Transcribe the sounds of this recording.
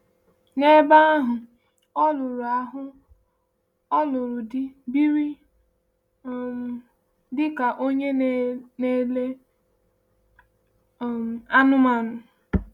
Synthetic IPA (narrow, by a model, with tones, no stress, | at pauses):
ne˦ba˦a˦ɦʊ˨ | ɔ˦lʊ˨ɾʊ˨a˨ɦʊ˦ | ɔ˦lʊ˨ɾʊ˨dɪ˦bi˦ɾi˦˨ | dɪ˦ka˨ʔo˦ɲe˦n˦ne˦le˦˨ | a˦nʊ˦ma˨nʊ˨